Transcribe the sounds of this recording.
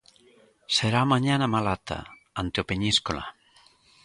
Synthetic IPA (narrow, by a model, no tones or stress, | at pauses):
seɾamaɲanamalat̪a̰ | ant̪eopeɲiskola̰